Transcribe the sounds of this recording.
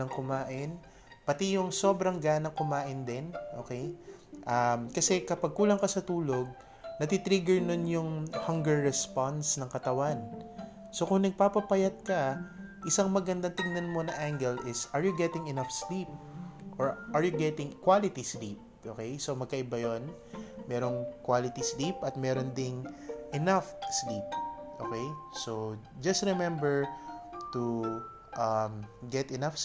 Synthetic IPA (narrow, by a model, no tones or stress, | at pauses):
ɐŋkʊmaːʔɪn | pɐt̪ijʊŋso̞bɾɐŋɡaːnɐŋkʊmaːʔɪnd̪ɛnʔo̰ːkej | ʔamkɐsɛkɐpɐɡ̚kuːlɐŋkɐsɐt̪uːlo̞ɡ̚ | nɐt̪it̪ɾiɡɛɹnonjʊŋhɐŋɡɛɹːɛspansnɐŋkɐt̪ɐwan | so̞kʊŋnɐɡ̚papɐpɐjɐd̪̚kɐ | ʔɪsaŋmɐɡɐnd̪ɐŋt̪ɪŋnɐnmo̞nɐʔaŋɡɛlʔɪsʔɐɹjuɡɛt̪ɪŋɛnafslip̚ʔoɹʔɐɹjʊɡɛt̪ɪŋkwalɪt̪islip̚ | ʔoːkɛjsomɐɡ̚kɐʔɪbajon | mɛːɾo̞ŋkwaːlɪt̪islipʔɐt̪̚mɛɾond̪ɪŋʔɛnafslip̚ʔo̰kɛjso | d͡ʒɐst̪ɾɪmɛmbɛɹt̪u | ʔɐmɡɛt̪ɛnaf